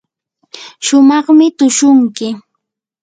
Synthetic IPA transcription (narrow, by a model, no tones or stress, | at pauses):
ʃʊmɑχmɪt̪ʊʃʊŋkɪ